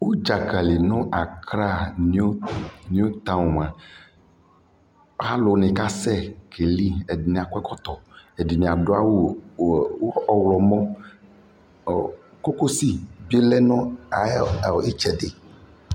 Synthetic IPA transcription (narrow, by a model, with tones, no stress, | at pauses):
wo˦d͡ʒa˨ka˨li˨nɔ̃˦ʔa˨kɾa˦o˦nĩ˦o˦t̪a˦wm˨ã˨˦ | ha˦lo˨˦nɛ̃˨ka˦sɛ˦kʰe˨li˦e˨di˨nĩ˨a˨kɛ˦kɔ˦t̪ɔ˨e˨di˨nĩ˨a˨ɖo˦a˦wo˦˨ | wo˦ɔ˦˨wlɔ˨mɔ̃˦˨ | ko˦ko˦si˦bi˦e˦lɛ˦nɔ̃˦a˨˦˨e˦t͡ʃɛ˨ɖe˨